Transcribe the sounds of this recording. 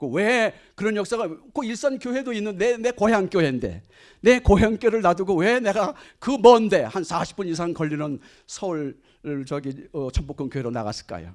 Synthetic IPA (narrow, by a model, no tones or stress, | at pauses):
kowe | kɯɾʌnjʌk̚s͈aɡakoiɭs͈ankjoɦe̞doinːɯnːene̞koɦjaŋk͈joɦe̞ndḛ | ne̞koɦjaŋk͈joɾɯɭnaduɡowe̞ne̞ɡakɯmʌnde̞hansaɕʰi̥p͈unis̬ʰaŋkʌʎːinɯn | sʰʌuɭ | ɯt͡ɕʌɡiʌt͡ɕʰʌmpokʰɯnkjoɦe̞ɾona̰ɡa̰s͈ɯ̥ɭk͈a̰jo̰